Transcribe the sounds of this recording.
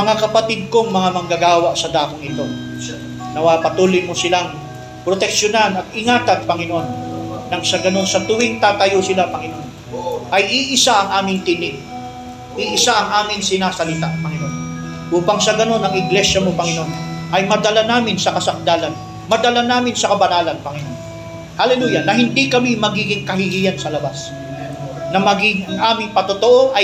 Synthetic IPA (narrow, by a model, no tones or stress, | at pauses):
mɐŋakɐpɐt̪id̪̚koŋmɐŋamɐŋɡaɡaːwaʔsɐd̪aːkɪŋɪt̪o̞ | nɐwapɐt̪uːlɪjmosɪlaŋ | pɾot̪ɛk̚ʃonanɐt̪̚ɪŋaːt̪ɐt̪̚pɐŋɪnoʔonːɐŋsɐɡɐno̞nsɐt̪ʊwɪŋt̪aːt̪ɐjosɪlapɐŋɪnoʔon | ʔɐjʔiʔɪsaʔɐŋʔaːmɪŋt̪ɪnɪʔ | ʔiʔɪsaʔɐŋʔaːmɪŋsɪnaːsɐlɪt̪apɐŋɪno̞n | ʔuːpɐŋsɐɡɐno̞nɐŋɪɡlɛʃɐmopɐŋɪno̞nʔɐjmɐd̪ɐlanaːmɪnsɐkɐsɐk̚d̪aːlɐn | mɐd̪ɐlanaːmɪnsɐkɐbɐnaːlɐnpɐŋɪno̞n | hɐlɛluːjɐnɐɦɪnd̪ikɐmimɐɡiːɡɪŋkɐɦɪhijɐnsɐlɐbas | nɐmɐɡiɡɐŋʔaːmɪŋpɐt̪ot̪oʔo̞ʔɐ